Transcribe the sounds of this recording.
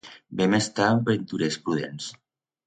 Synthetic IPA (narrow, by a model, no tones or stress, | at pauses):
bɛmest̪ambent̪uɾespɾuð̞ens